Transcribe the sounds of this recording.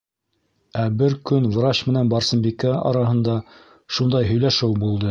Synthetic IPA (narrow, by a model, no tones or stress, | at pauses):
æbɘɾkɵnvɾɑɕmɘ̆nænbɑɾsɤ̆mbikæɑ̰ɾɑɦɤ̆nd̪ɑ | ʃund̪ɑjɦɵ̆jlæʃɘwbulˠd̪ɤ